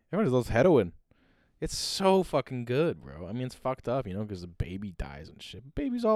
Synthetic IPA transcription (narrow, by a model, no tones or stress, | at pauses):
ɛviðoz̥hɛɾoʊɪ̃n | ɨtsoʊfʌkɪ̃ŋɡʊd̚wɹo̰ʊaɪmĩnɨtsfʌk̚tʌpjɨñoʊkʰʌzðɨbḛɪbida̰ɪzn̩ʃɪp̚b̥eɪbizɔ